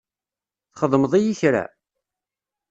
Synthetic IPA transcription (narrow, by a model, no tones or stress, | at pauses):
θχəðˤməðˤijiçɾæ̰